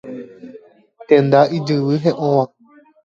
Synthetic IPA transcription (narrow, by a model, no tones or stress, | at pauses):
t̪ẽnd̪aʔid͡ʒɨʋɨɦẽʔõʋã